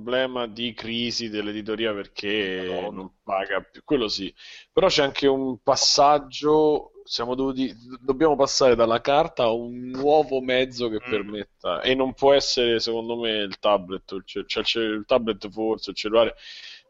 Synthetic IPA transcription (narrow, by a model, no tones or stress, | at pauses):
blɛːmad̪ikɾiːzid̪elːed̪it̪oɾiːaperkʰenompaːɡapukːwelːosipeɾɔt͡ʃːɛaŋkʰeumpasːad͡ʒːosjaːmod̪ovuːt̪id̪obːjaːmopasːaːɾed̪alːakart̪aːunːwɔːvomɛd̪zːok̟epːermet̪ːa̰ʔḛnːompwɔɛsːeɾesekond̪omeilt̪abːlet̪ːt͡ʃɛt͡ʃɛt͡ʃɛilt̪ablet̪ːfort̪selt͡ʃelːulaːɾe